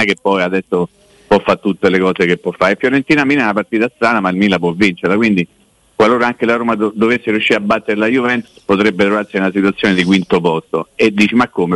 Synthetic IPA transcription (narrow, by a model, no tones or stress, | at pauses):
akepːɔjad̪ɛsːo | pwɔfːat̪ːut̪ːelekɔːsekepːwɔfːaɾefjoɾent̪iːnaminɛunapart̪iːt̪ast̪ɾaːnamailmilapwɔvːint͡ʃeɾlakwind̪i | kwaloːɾaaŋk̟elaɾoːmad̪od̪ovesːeɾjuʃːiːɾeabːat̪ːeɾelajuvɛnt̪u̥spot̪ɾɛbːet̪ɾovaɾsiunasit̪wuat̪sːjoːned̪ikwint̪opɔst̪oed̪ːiːt͡ʃimakːoːme